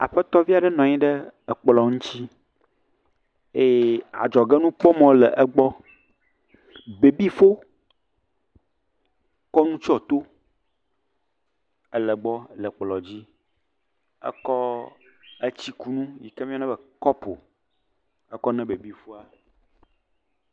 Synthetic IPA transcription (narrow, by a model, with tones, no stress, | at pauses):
a̰˨ɸə˦t̪ɔ˦vi˦a˨ɖɛ˦nɔ̃˨ɲĩ˦ɖɛ˦ə˨k͡plɔ˨ŋũ˦t͡ɕi˦ | e˦˨a̰˨d͡ʒɔ˨ɡɛ˦nũ˦k͡pɔ˦mɔ̃˦lɛ˨ʔə˦ɡ͡bɔ˦ | be˨bi˦fo˦ | kɔ˦nũ˦t͡ʃɔ˨t̪o˦ | ə˨lə˨ɡ͡bɔ˦lə˨k͡plɔ˨d͡ʑi˦ | ə̰˦kɔ˦ | ə˦t͡ɕi˦ku˨nũ˦jḭ˨ke˦mĩ˦a˦nɛ˦bə˨kɔ˦po̰˨ | ə˦kɔ˦nɛ̃˦be˨bi˦fo˦a˨